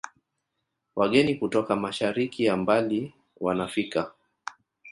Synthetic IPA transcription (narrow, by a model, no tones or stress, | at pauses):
waɠɛnikutɔkamaʃaɾikiambali | wanafika